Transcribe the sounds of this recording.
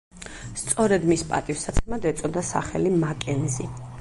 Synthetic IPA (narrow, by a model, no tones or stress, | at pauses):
st̪sʼɔɾɛd̪mispʼa̰t̪ʼifsat̪sʰɛmad̪ɛt̪sʼɔd̪asa̰χɛlimakʼɛnzi